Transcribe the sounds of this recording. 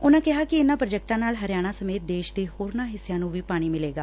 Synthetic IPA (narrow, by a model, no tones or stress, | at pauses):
ʊnãːkɪɦaːkɪɪnãːpɾəd͡ʒɛːk̚ʈãːnaːlɦəɾjaːɽ̃aːsəmeːt̪̚d̪eːʃd̪eːhoːɾnaːɦɪsːjãːnũːʋiːpaːɽ̃iːmɪleːɡaː